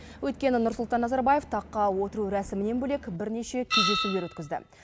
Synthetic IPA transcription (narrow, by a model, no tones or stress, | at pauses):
wɵjt̪kʲe̞nɪnʊɾsʊlˠt̪ɑnːɑzɑɾbaje̞ft̪ʰɑqːɑwo̞t̪əɾuɾæsɪmɪne̞nbɵle̞kʲbɪɾne̞ʃe̞kʲʰe̞zd̪e̞sule̞ɾwɵt̪kʲɪzd̪ɪ̰